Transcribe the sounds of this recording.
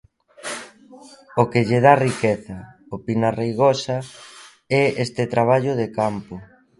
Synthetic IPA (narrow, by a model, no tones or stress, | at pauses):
okeʎeð̞arikeθɐ | opinarejɣosɐ | ɛest̪et̪ɾaβ̞aʎʊð̞ekampʊ